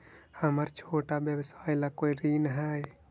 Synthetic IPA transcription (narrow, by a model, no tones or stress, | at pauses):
həməɾt͡ʃʰoːʈabjəʋsaːjlakoːiɾiːnɦɛj